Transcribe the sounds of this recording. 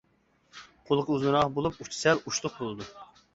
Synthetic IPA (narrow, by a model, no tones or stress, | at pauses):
qʰolˠqʰəuznɨɾɑʁbolˠup̚ut͡ʃʰi̥sɛluʃt̪ʊq̚bolˠɨd̪u